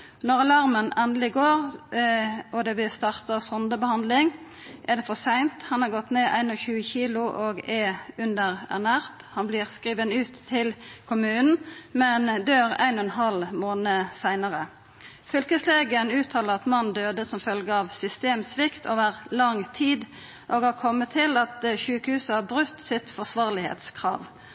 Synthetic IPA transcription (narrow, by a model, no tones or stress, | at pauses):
nɔʁɑlɑʁmənɛnd̪lɪɡoːʁ | ɔd̪ɛʋɪst̪ɑːʁt̪əsɔnd̪əbəhɑnd̪lɪŋ | ʔæʁd̪ɛfɔsæɪnt̪hɑnhɑʁɡɔt̪ːneːʔæ̰ɪnɔçʉːəçiːlʊʔoɡɛʉnd̪əʁæ̰ʁnæːʁt̪hɑnblɪːʁskʁiːʋənʉːt̪ʰːɪlkʰʊmʉːnn̩mɛnd̪øːʁæ̰ɪnɔɛnɦɑlmoːnəsæɪnəʁə | fʏlkəsleːɡənʉːt̪ʰɑːləʁɑt̪mɑnd̪øːd̪əsɔmfœlɡəɑʋsʏst̪eːmsʋɪkt̪ʰoːʋəʁlɑŋt̪ʰiːd̪ | ʔoːɡhɑʁkʰɔmːət̪ʰːɪlɑt̪ʃʉːkəhʉːsəhɑʁbʁʉt̪ːsɪt̪fɔsʋɑːʁlɪhḛːt̪skʰʁɑ̰ːʋ